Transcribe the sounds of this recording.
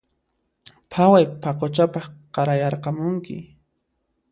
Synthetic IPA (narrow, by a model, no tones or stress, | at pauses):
pʰawajpʰaqot͡ʃapɑχqɑɾajɑɾqɑmʊŋkɪ̰